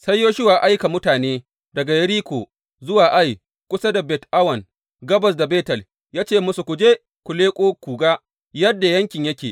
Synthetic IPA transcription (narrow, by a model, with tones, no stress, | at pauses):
sɐ˦jːoː˦ʃɪ˦waː˨ʔa˦jka˨mʊ˦taː˨neː˦ | dɐ˨ɡa˨jɐ˦ɾiː˦kʷoː˨ | zʊ˦waː˨ʔa˦j | kʷʊ˦sa˦da˨bɛ˨tʔa˦wɐ˨n | ɡɐ˦bɐ˨s̬da˨beː˦tɐ˨l | jaː˦t͡ʃeː˦˨mʊ˦su˨kʷʊ˨d͡ʒeː˦ | kʷʊ˨leː˦kʷʼoː˦kʷuː˨ɡaː˦ | jɐ˦dːa˨jɐ˦ŋkʲɪ˨ɲjɐ˦kʲeː˨